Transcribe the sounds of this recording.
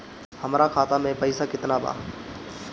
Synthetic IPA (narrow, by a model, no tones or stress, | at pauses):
hɐmɾakʰaːt̪amẽpɐɪsakɪt̪naba̰ː